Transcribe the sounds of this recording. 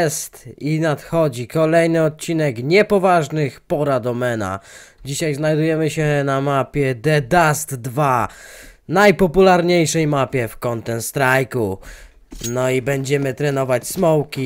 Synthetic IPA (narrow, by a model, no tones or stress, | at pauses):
st̪inat̪xɔd͡ʑikɔlɛjnɘɔt̪̚t͡ɕinɛkɲɛpɔvaʐnɘxpɔɾad̪ɔmɛna̰d͡ʑiɕajznajd̪ujɛmɘɕɛnamapʲjɛd̪ɛd̪ast̪ːva | najpɔpulaɾɲejʂɛjmapʲjɛfkɔnt̪ɛnst̪ɾajku | nɔibɛɲd͡ʑɛmɘt̪ɾɛnɔvat͡ɕsmɔwkʲi